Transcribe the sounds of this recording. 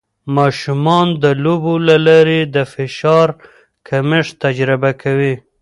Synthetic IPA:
mɑʃumɑnd̪əlobolalɑɾed̪əfɪʃɑɾ | kʰamɪʂt̪ad͡ʒɾɪbakʰawi

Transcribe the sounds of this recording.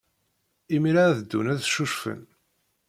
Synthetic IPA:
imiɾaðəd̪ːunæðʃuʃfə̰n

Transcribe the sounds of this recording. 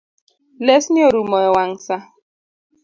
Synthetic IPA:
lesnioɾumɔewaŋ̩sa

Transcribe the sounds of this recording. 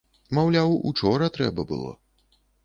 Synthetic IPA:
mawlʲawṵt͡ʂɔɾɐt̪ɾɛ̰bɐbɨ̰lˠɔ̰

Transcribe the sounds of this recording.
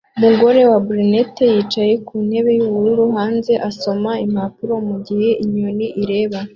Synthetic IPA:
umuɡo̞ɾe̞wabɾine̞te̞jiːt͡ʃaje̞kuːn̥he̞βe̞juβuɾuɾuɦaːnze̞ʔaso̞maimapuɾo̞muɟihe̞ʔiɲoniʔiɾe̞ːβa

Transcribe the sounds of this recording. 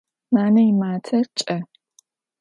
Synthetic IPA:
maːnɐjɪmaːtʰɐt͡ʃʼɐ

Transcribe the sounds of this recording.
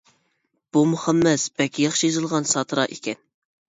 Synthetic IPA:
b̥umuχæmːɛsb̥ɛlkʲʰːijɑχʃijɨzɨlˠʁɑnsɑt̪ʰɨɾɑʔikʲɛn

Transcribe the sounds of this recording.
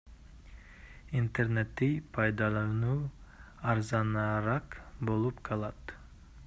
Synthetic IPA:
int̪e̞ɾne̞t̪ːijpʰɑjd̪ɑlˠɑnuː | ɑɾzɑnɑɾɑqbo̞lˠupqʰɑlˠɑt̪

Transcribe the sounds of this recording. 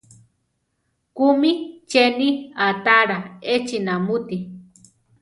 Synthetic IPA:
kumit͡ʃeniat̪aɾaet͡ʃinamut̪i

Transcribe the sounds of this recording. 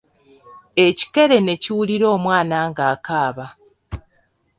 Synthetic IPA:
e̞ci̥ke̞ɾe̞ne̞ciwuliɾo̞ːmwaːnaːŋɡaːkaːβa

